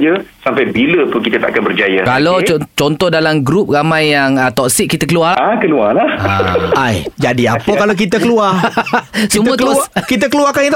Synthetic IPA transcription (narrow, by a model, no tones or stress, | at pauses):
d͡ʒəsampajbilət̪ʊnkit̪ət̪a̰ʔkanbərd͡ʒajakalot͡ʃɔnt̪ɔhdalamɡɾup̚ramãjːaŋət̪ɔk̚sik̚kːit̪əkəlualaakəlualaha̰ajd͡ʒadia̰pəkalok̬it̪əkəluar | sumũə̃tkəlskit̪̬əkəluakanit̪